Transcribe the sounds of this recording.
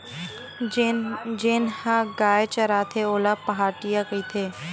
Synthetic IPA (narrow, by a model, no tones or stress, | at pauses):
d͡ʒeːnhaɡaːet͡ʃɐɾaːt̪ʰeoːlapɐɦaːʈijakɐit̪ʰeː